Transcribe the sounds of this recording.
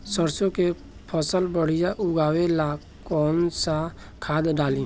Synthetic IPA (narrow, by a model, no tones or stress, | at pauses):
səɾsõke | pʰəsəlbəɽ̤ɪjaʔʊɡaːwelaː | kɔːnsa | kʰaːd̪ɖaːlĩː